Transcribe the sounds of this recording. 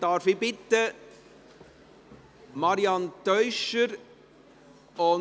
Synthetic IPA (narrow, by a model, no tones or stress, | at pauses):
d̥ɑːɾfibɪtːə | mɑɾiɑntœʏʃəɾ | ʊ